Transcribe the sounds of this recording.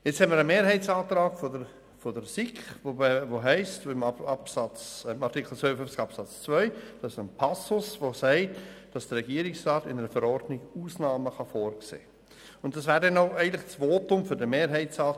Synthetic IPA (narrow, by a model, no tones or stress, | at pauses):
jɛt͡shɛməɾəmeːɾɦɛɪt͡sɑːtɾɑːɡ̥fodə | fɔdəɾsikχovoɦɛɪstɪmɑpsɑt͡smɑrtikχl̩t͡ssʋœʏəfʏft͡sɡ̥ɑpsɑt͡st͡svœʏd̥ɑsənpʰɑsʊsʋosɛɪtd̥ɑsd̥ərɾɛɡ̥iːəɾɪksrɑːtɪnəɾəfəɾɔɾdnɪɡ̥uːsnɑːməχɑfoːɾksḛː | ʊntd̥ɑsvæːɾdɛnoʊæɪntlɪχt͡svoːtʊmfʏɾdəmeːɾɦɛɪt͡sɑː